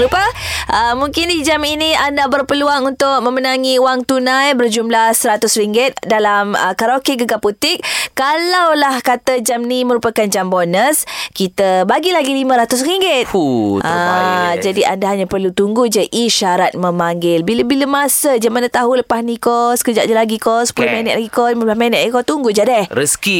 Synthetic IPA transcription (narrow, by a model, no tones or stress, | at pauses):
lupəʔəmuŋkɪndid͡ʒaminiandabərpəluaŋunt̪ʊk̚mə̃mənaŋiuwaŋt̪unãjbərd͡ʒumlahsəɾat̪ʊsriŋɡɪt̪̚dalamə̰kaɾokeɡəɡaput̪ɪk̚kalawlahkat̪ad͡ʒamniməɾupakand͡ʒambɔnəskit̪əbaɡilaɡilimə̃ɾat̪ʊs̬ɾiŋɡɪt̪̚ad͡ʒadiʔa̰ndaɦaɲapərlut̪uŋɡud͡ʒəʔiʃaɾat̪̚məmaŋɡɪlbiləbiləmasəd͡ʒamanət̪aɦuləpahnikɔskəd͡ʒaʔɲalaɡikɔspulʊhmenɛt̪laɡikɔməblahmenɛt̪̚ikɔt̪uŋɡud͡ʒadɛhɾəski